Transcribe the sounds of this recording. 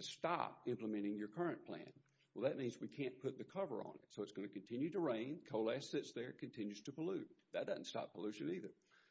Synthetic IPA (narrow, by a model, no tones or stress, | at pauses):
ɨstɑ̰p̚ɪ̃mpləmɛ̃ɾ̃ɪ̃ŋjə˞kʰɜ˞ɨ̃npʰl̥æ̰̃n | wwɛlˠðɨt̚mĩnzwikʰæ̃npʰʊt̪̚ðɨkʰʌvə̰˞ə̰̃nɪ̰tsoʊətsɡ̥ʌnɨkɨ̃n̩tʰɪ̃njʉɾɨɹẽɪ̃nkʰoʊlæsɪtsðə˞kʰɨ̃ntʰɪ̃njʉz̥tʰɨpʰəlʉt̚ðɨt̚d̥ʌzn̩tstɑ̰pʰəlʉʃɨ̃niðə˞